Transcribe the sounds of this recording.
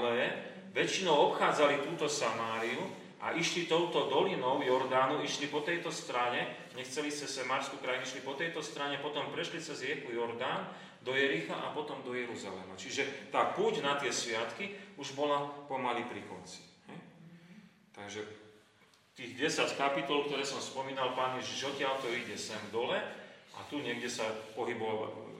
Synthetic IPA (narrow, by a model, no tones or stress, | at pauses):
lɛ | ʋɛt͡ʃinɔʊɔpxaːd͡zalit̪uːt̪ɔsamaːɾiu | a̰ʔiʃlit̪ɔʊt̪ɔd̪ɔlinɔʊjɔɾd̪aːnuiʃlipɔt̪ɛjt̪ɔst̪ɾaɲɛ | ɲɛxt͡sɛlistɛsɛmaːɾskukɾajniʃlipɔt̪ɛjt̪ɔst̪ɾaɲɛpɔt̪ɔmpɾɛʃlit͡sɛzɾɪɛkujɔɾd̪aːn | d̪ɔjɛɾixa̰ʔa̰pɔt̪ɔmd̪ɔjɛɾuza̰lɛ̰ma̰t͡ʃiʒɛt̪aːpuːɟnat̪ɪɛsʋɪat̪kiuʒbɔlapɔmaliːpɾikɔ̰nt͡si̥hɛj | t̪aɡʒɛ | t̪iːɣɟɛsackapit̪ɔlk̚t̪ɔɾɛːsɔmspɔmiːnalpaːnjɛʒiʒɔcɪalt̪ɔiɟɛsɛmd̪ɔlɛʔa̰t̪uɲɛɡɟɛsapɔɦibɔa̰